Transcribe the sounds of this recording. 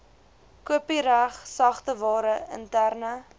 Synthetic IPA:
kuəpiɾæχsɐχtəvɑːɾəə̰ntærnə

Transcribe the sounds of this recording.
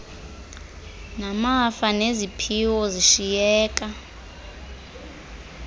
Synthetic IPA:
namafanezipʰiwɔziʃijɛːkʼa

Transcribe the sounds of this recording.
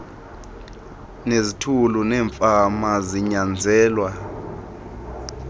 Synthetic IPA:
nezitʰulunɛːɱfamaziɲand͡zʱɛːlwa

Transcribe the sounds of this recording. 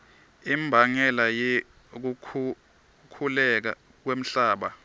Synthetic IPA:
imbʱaŋɛlaje | k̬u | kʰulɛk̬a̰ | k̬wem̩ɬaːɓa

